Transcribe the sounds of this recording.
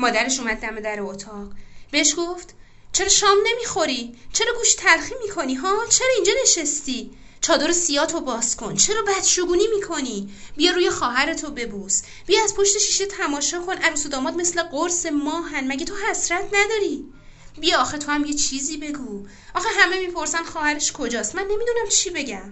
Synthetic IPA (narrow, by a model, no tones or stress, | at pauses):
mɒːd̪æɾeʃuːmæd̪̚ːæme̞d̪æɾeot̪ʰɒɢbeeʃɡo̞ft̪ | t͡ʃʰe̞ɾɒʃɒːmne̞miːxo̞ɾit͡ʃʰe̞ɾɒːɡuːʃt̪ʰæɾxiːmiːkʰo̞niɦɒːt͡ʃʰe̞ɾɒːind͡ʒɒne̞ʃest̪i | t͡ʃʰɒːd̪o̞ɾesijɒːt̪ʰo̞bɒːskʰo̞nt͡ʃʰe̞ɾɒːbæd̪̥ʃuɡuːniːmiːkʰo̞nibijɒɾuːjexɒːɦæɾe̞t̪ʰobe̞bus | b̥ijɒæzpʰo̞ʃt̪eʃiʃet̪ʰæmɒːʃɒːkʰo̞nʔæɾusod̪ɒːmɒːd̪̚me̞sle̞ɢoɾse̞mɒːɦænmæɟet̪ʰo̞ɦæsɾæt̪ʰnæd̪ɒːɾi | bijɒːxet̪ʰo̞æmje̞t͡ʃʰiziːbe̞ɡu | ʔɒːxeɦæme̞mipʰo̞ɾsænd̪xɒːhæɾe̞ʃkʰo̞d͡ʒɒːst̪mænːe̞mid̪unæmt͡ʃʰibe̞ɟæm